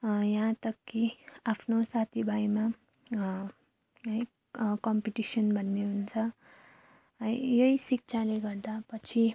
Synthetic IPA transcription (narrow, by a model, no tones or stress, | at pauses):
jãt̪ʌkːiapʰnosat̪ʰibʱajma | ʌj | kʌmpiʈisʌnbʱʌnːeɦunt͡sʰʌ | ʌjjʌisik̚t͡sʰaleɡʌrd̪apʌt͡sʰi